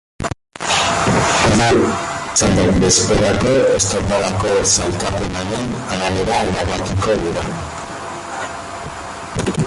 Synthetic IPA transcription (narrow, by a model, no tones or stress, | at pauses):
mat͡sanekbe̞speɾako̞e̞st̪oɾbaðako̞salt̪apenaɾe̞naɣaβeɾalaβat̪uko̞ðuɾan